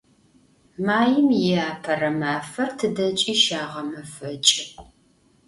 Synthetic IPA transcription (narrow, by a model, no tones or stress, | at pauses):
maːjɪmjɪaːpʰɐrɐmaːfɐrtʰɨdɐt͡ʃʼiːʃaːʁɐmɐfɐt͡ʃʼɪ